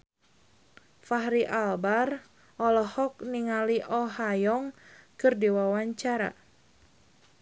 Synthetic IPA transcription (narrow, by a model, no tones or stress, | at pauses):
fahɾiʔalbar | ʔɔlɔhɔk̚niŋaliʔɔɦajɔŋkɨrdiwawaɲt͡ʃaɾa̰